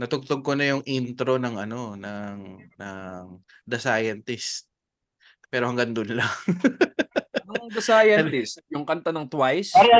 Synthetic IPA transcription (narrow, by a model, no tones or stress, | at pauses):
nɐt̪ʊɡ̚t̪oɡ̚konɐjʊŋʔint̪ɾo̞nɐŋʔɐno̞nɐŋnɐŋ | d̪ɐsaːjɐnt̪ɪst̪̚ | pɛːɾohɐŋɡɐŋd̪ʊnlaŋ | ɐŋd̪ɐsaːjɐnt̪ɪst̪̚jʊŋkɐnt̪ɐnɐŋt̪wajs